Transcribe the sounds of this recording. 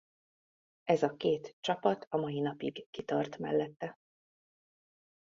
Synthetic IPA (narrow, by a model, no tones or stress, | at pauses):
ʔɛzɒkeːt̪t͡ʃɒpɒt̪ɒmɒjinɒpiɡkit̪ɒrt̪mɛ̰lːɛt̪ːɛ